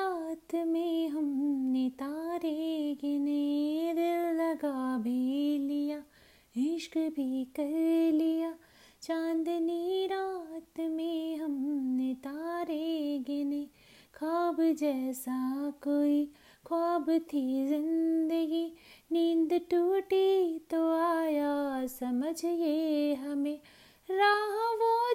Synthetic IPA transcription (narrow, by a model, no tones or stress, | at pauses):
at̪mẽɦɐmnet̪aːɾeɡeneɾellɐɡaːbelijaː | ɪʃkbʱikɐɾlijaː | t͡ʃãːnd̪niɾaːt̪mẽɦɐmnet̪aːɾeːɡeneː | kʰaːbd͡ʒɛːsakoːi | kʰɔːbt̪ʰizɪ̃nd̪əɡiniːnd̪ʈuːʈit̪oaːjasɐməd͡ʒʱjeɦɐmẽː | ɾaːɦãʋo